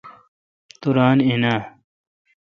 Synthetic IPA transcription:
t̪uɾaːninaː

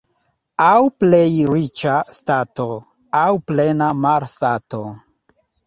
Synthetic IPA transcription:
awple̞jɾit͡ʃastato̞ | awple̞namaɾstato̞

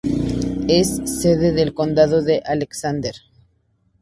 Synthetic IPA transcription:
esːe̞ðeðelko̞nd̪aðo̞ðeʔaleksand̪eɾ

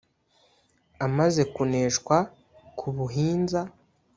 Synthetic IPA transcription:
amaze̞kune̞ːʃkwa | kʰuβuɦiːnza

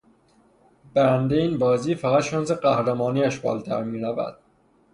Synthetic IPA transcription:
b̥æɾænd̪eiːnbɒːziːfæɣæt̪ʃɒnseɢæhɾæmɒːniːæʃbɒːlt̪ʰæ̰ɾmiːɾævæ̰d̪̥̚

